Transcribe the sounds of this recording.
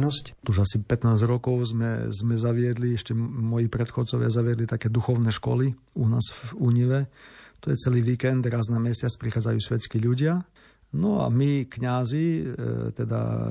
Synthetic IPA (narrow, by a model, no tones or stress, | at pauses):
nɔsct̪uʒasipɛt̪naːzɾɔkɔʊzmɛ̰zmɛzaʋɪɛd̪liɛʃcɛmɔjiːpɾɛt̪xɔt͡sɔʋɪazaʋɪɛd̪lit̪akɛːd̪uxɔʊnɛʃkɔ̰li | unaːzvuɲiʋɛt̪ɔjɛt͡sɛliːʋiːkɛnd̪ɾaːznamɛsɪat͡spɾixaːd͡zajuːsʋɛt͡skiʎuɟɪa | nɔa̰mikɲazit̪ɛd̪a̰